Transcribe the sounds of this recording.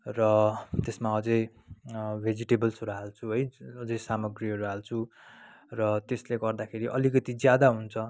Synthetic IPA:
rʌt̪esmaʌd͡zʌj | bʱed͡ziʈebʌlsuɾɦalt͡sʰuɦʌjʌd͡zʌjsamʌɡriʌɾuɦalt͡sʰu | rʌt̪esleɡʌrd̪akʰeɾiʔʌ̰likʌt̪id͡zjad̪aɦunt͡sʰʌ

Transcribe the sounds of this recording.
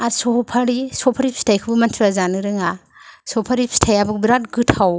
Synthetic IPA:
aɾsɔpʰaɾisɔpʰaɾipʰstʰajkʰɯbumɐntʰɾazanɯɾɯŋa | sɔpʰaɾipʰstʰajabuk̚bɾat̚ɡɯtʰhaw

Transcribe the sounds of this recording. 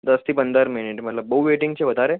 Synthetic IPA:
d̪əst̪ʰiːpənd̪ʱəɾminiʈməʈlabowʋeʈiŋɡt͡ɕeʋəd̪ʱaɾe

